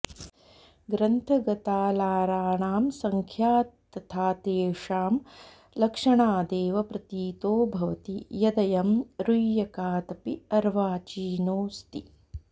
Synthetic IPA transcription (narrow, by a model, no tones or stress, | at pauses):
ɡɾɐnt̪ʰɐɡɐt̪aːlaːɾaːɳaːmsɐŋkʰjaːt̪ːɐt̪ʰaːt̪eːʂaːm | lɐkʂɐɳaːd̪eːʋɐpɾɐt̪iːt̪oːbʱɐʋɐt̪ijɐd̪ɐjɐmɾujjɐkaːt̪ɐpiɐɾʋaːt͡ʃiːnoːst̪i